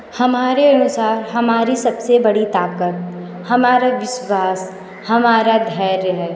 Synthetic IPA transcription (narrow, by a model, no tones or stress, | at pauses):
hɐmaːɾeɐnʊsaːɾɦɐmaːɾisɐbsebɐɽit̪aːp̚kət̪ | hɐmaːɾaʋɪʃwaːs | hɐmaːɾad̪ʱɛːɾjəɦɛ